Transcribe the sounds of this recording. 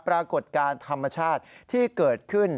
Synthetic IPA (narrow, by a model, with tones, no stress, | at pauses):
pɾaː˧ko˨˩t̪̚kaː˧nt̪ʰa˧mːa˧t͡ɕʰaː˥˩t̪̚t̪ʰiː˥˩kɤː˨˩t̪̚kʰɯ˥˩n